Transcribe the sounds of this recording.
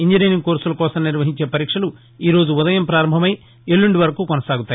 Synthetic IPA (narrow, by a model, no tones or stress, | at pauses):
iɲd͡ʒineniŋkoːɾsulɐkɔːsɐmniɾʋɐɦiɲt͡ʃe̞ːpɐɾiːkʂɐlu | iːɾo̞ːd͡ʒuud̪ɐjɐmpɾaːɾɐmbʱɐmɐj | elːuɳɖiʋɐɾɐkuːkɔnɐsaːɡut̪aː